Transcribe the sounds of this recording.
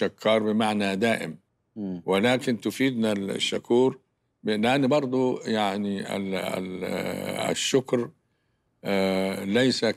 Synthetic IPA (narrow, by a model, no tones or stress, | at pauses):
akʰːɑːɾˤbɪmaʕnad̪aːʔɪ̰m | wɪlaːkɪnt̪ʊfiːd̪nal̰ʃːakuːɾ | blɪʔanːbɑɾˤd̪ˤujaʕnḭ | ʃːʊkɾ | lajsa